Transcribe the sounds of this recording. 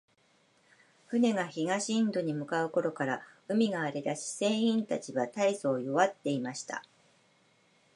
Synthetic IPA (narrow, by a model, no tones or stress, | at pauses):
ɸɯ̟ne̞ɡaçiɡaɕĩːnd̪o̞ɲ̟imɯ̟kaɯ̟ko̞ɾo̞kaɾaɯ̟mʲiɡaːɾe̞d̪aɕi̥sẽ̞ɰ̃ĩnt̪at͡ɕiβat̪aiso̞ːjo̞βat̪ːe̞imaɕi̥t̪a̰